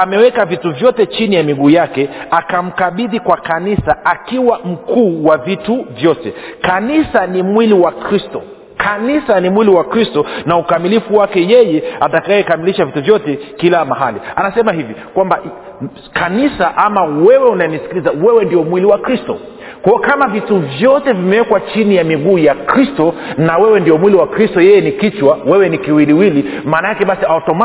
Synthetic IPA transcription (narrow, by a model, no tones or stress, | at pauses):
amɛwɛkavituvjɔtɛt͡ʃinijamiɠuːjakɛakam̩kaɓiðikwakanisaakiwam̩kuːwavituvjɔtɛkanisanimwiliwakɾistɔ̰ | kʰanisanimwiliwakɾistɔnaukamilifuwakɛjɛjɛatakajɛkamiliʃavituvjɔtɛkilamaɦalianasɛmahivikwamba | kʰanisaʔamawɛwɛunajɛnisi̥kilizawɛwɛndiɔmwiliwakɾistɔ̰ | kakamavituvjɔtɛvimɛwɛkwat͡ʃinijamiɠuːjakɾistɔnawɛwɛndiɔmwiliwakɾistɔjɛjɛnikit͡ʃwawɛwɛnikiwiliwilimaːnaakɛɓasiaɔtɔma